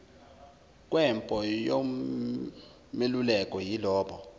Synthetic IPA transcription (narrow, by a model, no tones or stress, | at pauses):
kʼwɛmpʼɔjo | melulɛkʼɔjilɔːɓɔ